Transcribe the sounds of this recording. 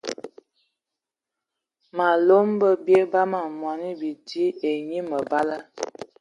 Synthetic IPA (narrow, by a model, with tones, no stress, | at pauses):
ma˨lo˦mbə˦bje˦ba˦ma˨mwa˨ni˦bi˨di˦e˨ɲi˦mə˨ba˦lə˦